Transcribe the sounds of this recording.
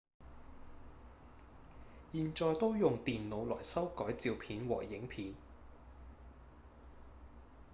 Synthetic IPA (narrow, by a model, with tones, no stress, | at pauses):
jiː˨nt͡ʃɔː˨˧jt̪o˥wjʊ˨ŋt̪iː˨nlo˨˧wlɔː˨˩jsɐ˥wkɔː˨˥jt͡siː˧wpʰiː˨˧nwɔ̰ː˨˩jɪ˨˥ŋpʰiː˨˧n